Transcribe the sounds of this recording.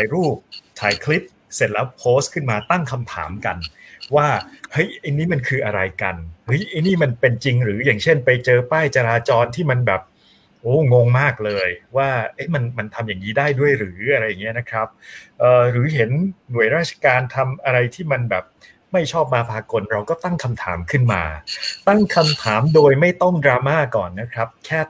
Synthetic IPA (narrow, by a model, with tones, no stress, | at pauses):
tʰaː˩˦jɾuː˥˩p̚t̪ʰa̰ː˩˦jkʰli˦˥p̚ | se˨˩t̪̚la˦˥p̚pʰoː˦˥skʰɯ˥˩nmaː˧t̪a˥˩ŋkʰa˧mt̪ʰa̰ː˩˦mka˧nwaː˥˩hɤ˦˥jʔa˧jniː˦˥ma˧nkʰɯː˧ʔa˧ɾa˧jka̰˧nhɯ˦˥jʔa˧jniː˥˩ma˧npe˧nt͡ɕi˧ŋɾɯː˩˦jaː˨˩ŋt͡ɕʰe˥˩npa˧jt͡ɕɤː˧paː˥˩jt͡ɕa˧ɾaː˧t͡ɕɔː˧nt̪ʰiː˥˩ma˧nbɛː˨˩p̚ | ʔoː˧˥˩ŋo˧ŋmaː˥˩k̚lɤː˧jwaː˥˩ʔɤ˦˥jma˧nma˧nt̪ʰa˧mjaː˨˩ŋːniː˦˥daː˥˩jdu˥˩əjɾɯː˩˦ʔa˧ɾa˧jːa˨˩ŋi˦˥ɐna˦˥kʰɾa˦˥p̚ʔɤː˨˩ɾɯː˩˦ɦe˩˦nnu˩˦əjɾaː˥˩t̪̚t͡ɕʰḁ˧kaː˧nt̪ʰa˧mʔa˧ɾa˧jt̪ʰiː˥˩ma˧nbɛ̰ː˨˩p̚ | ma˥˩jt͡ɕʰɔː˥˩p̚maː˧pʰaː˧ko˧nɾa˧wkɔː˥˩t̪a˥˩ŋkʰa˧mt̪ʰa̰ː˩˦mkʰɯ˥˩nma̰ː˧t̪a˥˩ŋkʰa˧mt̪ʰaː˩˦mdoː˧jma˥˩jt̪ɔ˥˩ŋdɾaː˧maː˥˩kɔ̰ː˨˩nːa˦˥kʰɾa˦˥p̚kʰɛː˥˩